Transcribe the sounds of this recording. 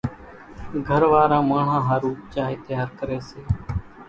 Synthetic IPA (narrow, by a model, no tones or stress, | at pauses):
ɡʱəɾʋaːɾãːmaːɳ̤ãːɦaːɾuːt͡ʃaːɦeːt̪ɪjaːɾkəɾeːseː